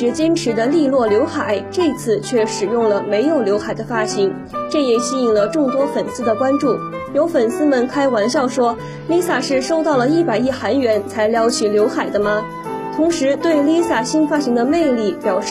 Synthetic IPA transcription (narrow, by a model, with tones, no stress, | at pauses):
ɛ˧˥t͡ɕjɛ˥nʈ͡ʂʰɻ̩˧˥d̪ə˧li˥˧lwɔ˥˩ljo˧˥ʊxa˨˩˦ɪʈ͡ʂɤ˥˧t͡sʰɹ̩˥˧t͡ɕʰɥɛ˥˩ʂɻ̩˨˩jʊ˥˩ŋlə˩me˧˥ɪjo˨˩ʊljo˧˥ʊxa˨˩ɪd̪ə˦fa˥˩ɕi˧˥ŋ | ʈ͡ʂɤ˥˩jɛ˨˩ɕi˥i˨˩ŋlə˦ʈ͡ʂʊ˥˩ŋt̪wɔ˥fə˨˩nsɹ̩˥d̪ə˨kwa˥nʈ͡ʂu˥˩ | jo˧˥ʊfə˨˩nsɹ̩˥mə˨nkʰa˥ɪwa˧˥nɕjɑ˥˩ʊʂwɔ˥ | li˥sa˥˩ʂɻ̩˥˩ʂo˥ʊt̪ɑ˥˩ʊlə˩i˥˩pa˨˩ɪi˥˩xa˧˥nɥɛ˧˥nt͡sʰa˧˥ɪljɑ˧˥ʊt͡ɕʰi˨˩ljo˧˥ʊxa˨˩ɪd̪ə˦mɐ˧ | t̪ʰʊ˧˥ŋʂɻ̩˧˥t̪we˥˩ɪli˥sa˥˩ɕi˥nfa˥ɕi˧˥ŋd̪ə˧me˥˧ɪli˥˩pjɑ˨˩ʊʂ